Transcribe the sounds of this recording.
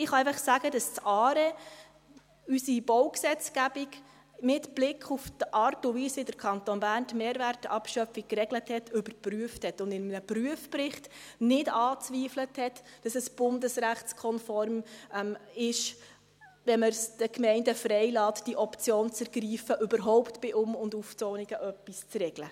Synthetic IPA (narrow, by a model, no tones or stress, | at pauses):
ɪχɑɛɪfɑχsæɡədɑst͡sɑːɾɛ | ysib̥ɔʊksɛt͡sɡ̥æbiɡ | mɪtb̥lɪkʰχuftʔɑɾtʊviːsɪdəɾkʰɑntonbæːntmeːɾvæɾtɑ̰pʃœfik̚krɛɡləthɛtʰʏbəɾpryəfthɛtʊndɪnmnəpryəfprɪχtnɪdɑːt͡sʋiːfləthɛtd̥ɑsɛsb̥ʊndəsɾæχtskʰɔnfɔrmmɪʃ | ʋɛməɾsd̥əkmɛɪndəfrɛɪlɑːtd̥iʔɔpt͡sjoːnt͡səɾɡriːfəʔʏbəɾɦɔʊptb̥ɪʔʊmʊnduft͡soːniɡəʔœpːist͡srɛɡ̥lə